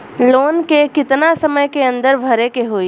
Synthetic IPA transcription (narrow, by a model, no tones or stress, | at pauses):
loːnkekɪt̪nasəməjkeə̃nd̪əɾbʱəɾekeɦoːi